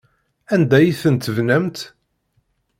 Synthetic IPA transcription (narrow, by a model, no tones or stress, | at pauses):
ænd̪æjiθənt̪əvnæmt̪